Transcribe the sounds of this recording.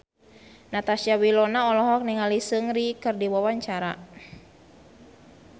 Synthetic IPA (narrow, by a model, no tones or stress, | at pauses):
nat̪asijawilɔnaɔlɔɦɔk̚niŋalisɨŋɾikɨrdiwawaɲt͡ʃaɾa̰